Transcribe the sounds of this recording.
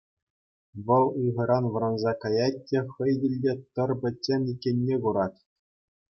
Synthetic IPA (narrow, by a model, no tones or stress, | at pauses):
ʋɤ̆lˠɯʁɤ̆ɾɑnʋɤ̆ɾɑnzɑkɑjɑtʲːĕχɤ̆jdʲɘ̆lʲdʲet̪ɤ̆rbʲɘ̆tʲːemʲikʲːenʲːeɡuɾɑtʲ